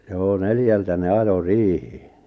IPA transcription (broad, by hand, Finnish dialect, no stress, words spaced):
joː neljæltæ ne ɑjo riːhi̥ːi̥